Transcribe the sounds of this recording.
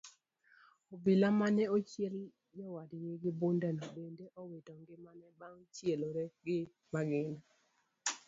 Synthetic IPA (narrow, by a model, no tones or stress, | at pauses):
obɪlamanɛot͡ʃjel | jɔwadjeɡɪbondɛnɔbendeʔɔwetɔŋɡɪmanɛbaŋt͡ʃjeloɾɛɡɪ | maɡɪna